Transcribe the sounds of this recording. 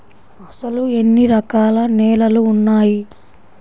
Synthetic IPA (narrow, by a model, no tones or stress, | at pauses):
ɐsɐlue̞nːiɾɐkaːlɐnɛːlɐluːnːaːji